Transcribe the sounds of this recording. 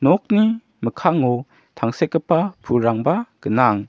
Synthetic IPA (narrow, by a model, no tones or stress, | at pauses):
nɔk̚ni | məkʰaŋɔ | t̪ʰaŋsɛkːəpapʰuɾaŋbaɡ̥ənaŋ